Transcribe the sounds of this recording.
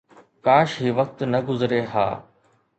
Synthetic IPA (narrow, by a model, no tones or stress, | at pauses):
kaːʃɦiːʋɐk̚t̪nɐɡʊzɾeɦa̰ː